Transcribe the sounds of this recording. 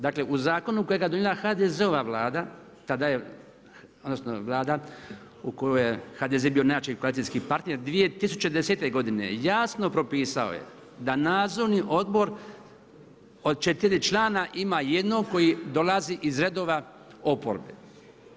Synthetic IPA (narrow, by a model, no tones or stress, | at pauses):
d̪aːkle̞ʔuzaːko̞nuko̞jeɡajed̪onielˠaxad̪ezeoʋaʋlˠaːd̪a | t̪ad̪aje | od̪nosnoʋlˠaːd̪a | uko̞jojexaːd̪ezebijo̞najat͡ʃijkoalit̪iskipaɾt̪ne̞ɾd̪ʋije̞t̪isu̥t͡ɕed̪ese̞t̪e̞ɡo̞d̪ine̞̰jaːsno̞pɾo̞piːsao̰jḛ | d̪anaːd̪zoɾniʔo̞d̪bo̞ɾ | od̪̚t͡ʃet̪iɾit͡ʃlˠaːnaʔimaje̞d̪no̞ɡko̞jid̪o̞lˠaziʔizɾe̞d̪o̞ʋa | o̞po̰ɾbḛ